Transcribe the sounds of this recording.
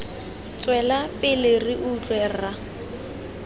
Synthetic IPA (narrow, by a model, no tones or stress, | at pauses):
t͡sʼwɛlapʼɪleriʔʊt͡ɬʼwɛra